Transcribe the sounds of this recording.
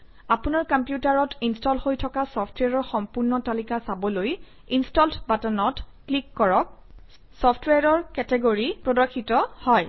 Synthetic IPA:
apʊnaɹkampjutaɹɔtʰinstɔlhojtʰɔkasɔpʰtʰwɛɹɔɹxɔmpuɹnɔtalikasabɔloj | instɔltbatanɔtklikːɔɹɔk̚ | sɔpʰtʰweɹɔɹkɛtɛɡoɹipɹɔdɔɹkʰːitɔhɔj

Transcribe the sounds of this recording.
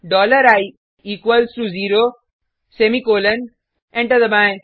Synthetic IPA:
ɖɔːləɾaj | iːkwəlsɾuziːɾo | semikoːlən | ɛ̃ɳʈɐd̪əbãj

